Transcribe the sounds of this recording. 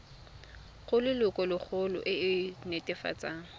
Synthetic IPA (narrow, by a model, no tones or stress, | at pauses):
ɣʊlɪlʊkʼɔlɪk͡xʰʊlʊ̰ʔɪɪnetʼɛfa̰t͡sʼaːŋ̩